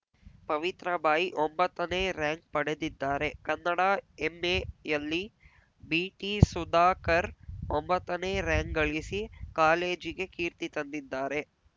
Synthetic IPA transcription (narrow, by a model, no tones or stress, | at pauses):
pɐʋit̪ɾɐbaːjiʔombɐt̪ːɐneːɾaːŋk̚pɐɽe̞d̪id̪ːaːɾe̞kɐnːɐɽaemːeːjɐlːi | biːʈisud̪aːkɐɾombɐt̪ːɐneːɾaːŋkɡɐɭisikaːle̞ːd͡ʒiɡe̞kiːɾt̪it̪ɐnd̪id̪ːaːɾe̞